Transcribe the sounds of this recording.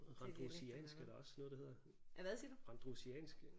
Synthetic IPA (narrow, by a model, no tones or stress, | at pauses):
ʁɑ̈d̥ʁosiɛ̰ːnsɡ̥æɐɾ̥aɒ̽snɔ̽ð̩ˠdehe̝ð̰ˠɐ | æʋæðˠsid̥uʁɑ̈nd̥ʁusiɛ̰ːnsɡ̥